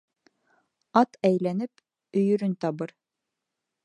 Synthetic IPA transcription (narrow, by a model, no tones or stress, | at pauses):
ɑt̪æjlænɘp | ɵ̆jɵ̆ɾɵnt̪ɑβɤɾ